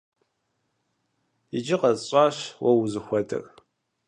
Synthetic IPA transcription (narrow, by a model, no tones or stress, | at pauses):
id͡ʒɪqɐzɕʼaːʃwɐwzɨxʷɔdɨ̰r